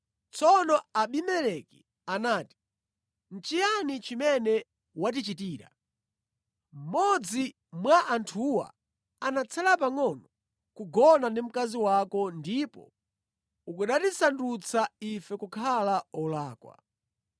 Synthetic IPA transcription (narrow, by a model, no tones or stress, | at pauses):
t͡sɔnɔaɓimɛɾɛki̥ | anaːti̥ | n̩t͡ʃijanit͡ʃimɛnɛ | wat̬it͡ʃitiːɾa̰ | m̩mɔd͡zi | mwaʔantʰuwa̰ | anat͡sʰalapaŋɔnɔ | kuɡɔnandim̩kaziwakɔndipɔ̰ | ukuɗatisandut͡sʰaifɛkukʰalaɔlaːkwa̰